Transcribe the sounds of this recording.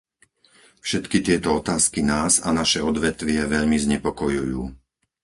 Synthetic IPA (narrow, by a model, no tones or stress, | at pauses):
fʃɛt̪kit̪ɪɛt̪ɔɔt̪aːskinaːza̰naʃɛɔd̪ʋɛt̪ʋɪɛʋɛʎmizɲɛpɔkɔjujuː